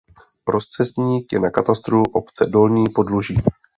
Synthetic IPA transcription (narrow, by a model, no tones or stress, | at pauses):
ɾo̞st͡sɛst̪ɲiːkjɛnakat̪ast̪ɾuʔo̞pt͡sɛdo̞lɲiːpo̞dluʒiː